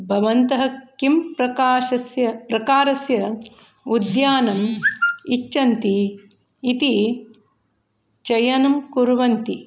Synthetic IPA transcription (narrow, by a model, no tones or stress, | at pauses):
bʱɐʋɐnt̪ɐɦɐkimpɾɐkaːʃɐsjɐpɾɐkaːɾɐsjɐ | ud̪jaːnɐmit͡ʃːt͡ʃɐnt̪iː | t̪i | t͡ʃɐjɐnɐmkuɾʋɐnt̪i